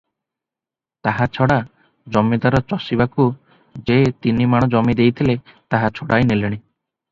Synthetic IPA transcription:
t̪aɦat͡ʃʰɔɽa | d͡ʒɔmid̪aɾɔt͡ʃɔsibaku | d͡ʒet̪inimaɽ̃ɔd͡ʒɔmid̪ejt̪ʰilet̪aɦat͡ʃʰɔɽajneleɽ̃i

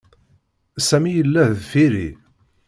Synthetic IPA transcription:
sæmijəlːæðfiɾḭ

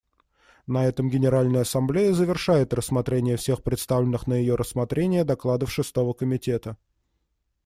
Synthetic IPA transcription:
nɐɛt̪əmɡʲɪnʲɪɾalʲnəjəɐsɐmblʲejəzəvʲɪrʂajɪt̪rəsːmɐt̪ɾʲenʲɪjəfsʲe̞xpɾʲɪt̪st̪avlʲɪnːɨxnəjɪjoɾəsːmɐt̪ɾʲenʲɪjəd̪ɐklˠad̪əfʂɨst̪o̞vəkəmʲɪtʲe̞t̪ə

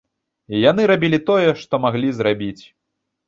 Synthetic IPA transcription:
janɨɾabʲilʲit̪ɔjɛʂt̪ɔmaɣlʲizɾabʲit͡sʲ

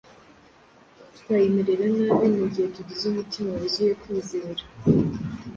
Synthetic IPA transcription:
tkwajemeɾeɾanaβeːneɟihetuɟizumitimawezujekiːze̞ːɾa

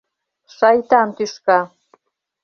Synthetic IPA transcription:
ʃɑjt̪ɑmt̪yʃkɑ

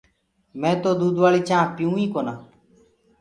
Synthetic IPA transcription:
mɛ̃ːt̪oːd̪uːd̪ʋaːɭiːt͡ʃãːpɪjũːĩːkoːnãː

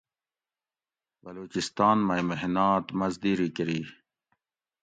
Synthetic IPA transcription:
bɐloːt͡ɕist̪ɑːnmajmeɦnaːt̪mɐzd̪iːɾikəɾiː

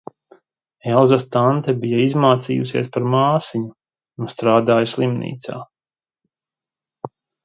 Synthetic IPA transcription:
ɛlˠzast̪ant̪ɛbijaizmaːt̪siːjṵsḭɛspaɾmaːsiɲu | nust̪ɾaːd̪aːjslˠimnḭːt̪sa̰ː

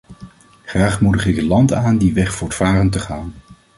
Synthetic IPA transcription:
χraːχmudəχɪkətlɑntaːndiʋɛχfʊːɹtfaːrəntəχaːn

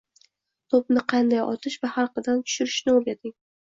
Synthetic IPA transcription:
t̪ʰop̚nɪqʰɑnd̪ajʔɒ̰t̪ʰɪʃvahaɾqɨd̪ant̪ʰʊ̥ʃʊɾɪʃnɪoɾɡʲad̪ɪŋ

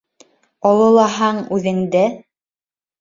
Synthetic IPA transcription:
ɑlˠɤ̆lˠɑɦɑɴʉðɘ̆ŋd̪ɘ

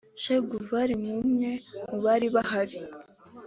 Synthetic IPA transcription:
ʃeɡuvaɾimumŋe̞muβaɾiβahaɾi

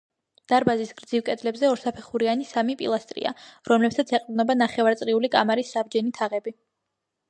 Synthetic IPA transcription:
d̪̥aɾbazisɡ̥ɾd̪zivkʼɛd̪lɛbzɛɔɾsapʰɛχuɾianisamipʼḭlˠast̪ʼɾḭa̰ɾɔmlɛpsat̪sʰɛqʼd̪nɔbanaχɛvaɾt̪sʼɾiulikʼamaɾisːabd͡ʒɛnit̪ʰaʁɛbi

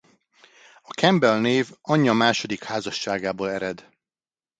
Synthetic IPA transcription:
ɒkɛmbɛlneːvɒɲːɒmaːʃo̞d̪ikhaːzɒʃːaːɡaːboːlɛɾɛd̪

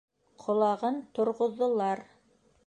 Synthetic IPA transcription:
qʰŏlˠɑʁɤnt̪ŏɾʁŏðːŏlˠɑɾ

